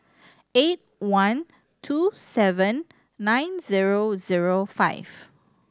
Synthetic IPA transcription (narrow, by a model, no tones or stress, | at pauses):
et̚wãn | tʰusɛvə̃nː | ãj̃nziɹoziɹofa̰ɪv̥